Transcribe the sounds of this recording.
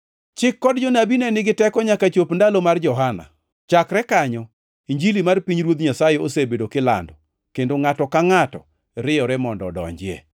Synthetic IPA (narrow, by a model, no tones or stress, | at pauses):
t͡ʃɪkːɔdd͡ʒɔnabinɛnɪɡɪtɛkɔɲakat͡ʃopndalomard͡ʒɔɦana̰ | t͡ʃakɾɛkaɲɔ | iɲd͡ʒilimarpiɲɾwot̪ɲasajeosebedokɪla̰ndɔ | kendoŋatɔkaŋatɔ̰ | ɾɪjɔɾɛmɔndɔ̰dɔ̰ɲd͡ʒɪḛ